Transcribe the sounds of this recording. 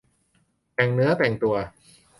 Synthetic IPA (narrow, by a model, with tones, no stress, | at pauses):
pɛ˨˩ŋnɯ˦˥ɐpɛ˨˩ŋt̪u˨˧ɐ